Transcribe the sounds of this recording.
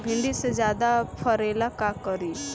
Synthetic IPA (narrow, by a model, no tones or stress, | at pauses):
bʱĩnɖ̪ised͡ʒjaːd̪apʰəɾelakakəɾi